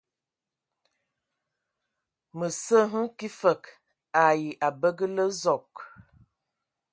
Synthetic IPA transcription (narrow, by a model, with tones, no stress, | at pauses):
mə˨sə˦ɦə˦ki˦fə˨k | a˨ji˨ʔa˨bə˦ɡə˦lə˦zɔ˨k